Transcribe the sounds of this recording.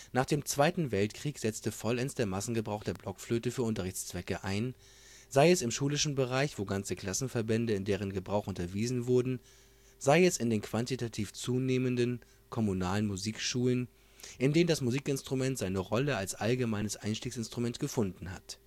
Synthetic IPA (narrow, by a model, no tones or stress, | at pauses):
naːχd̥eːmt͡sv̥aɪtn̩vɛltkʁ̥iːkz̥ɛt͡stəfɔlɛnsd̥eːɐmasn̩ɡəbʁaʊxd̥eːɐblɔkfløːtəfyːɐʊntɐʁɪçt͡st͡sv̥ɛkəʔaɪn | zaɪɛsɪmʃuːlɪʃn̩bəʁaɪçv̥oːɡant͡səkl̥asn̩fɛɐbɛndəɪndeːʁ̞ənɡəbʁaʊxʔʊntɐviːzn̩vʊɐdn̩ | z̥aɪɛsɪndeːnkv̥antitʰatʰiːft͡suːneːməndən | kʰɔmunaːlənmuziːkʃuːlən | ʔɪndeːnəndasmuziːkɪnstʁ̥umɛntz̥aɪnəʁɔləalsʔalɡəmaɪnəsʔaɪnʃtiːksɪnstʁ̥ʊmɛntɡ̥əfʊndn̩ha̰t